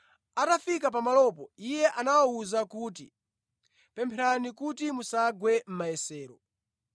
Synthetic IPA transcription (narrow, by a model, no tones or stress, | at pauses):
atafikap̬amalɔpɔijɛʔanawauzakuːtḭ | pɛmpʰɛɾanikutimusaɡwɛm̩majɛsɛːɾɔ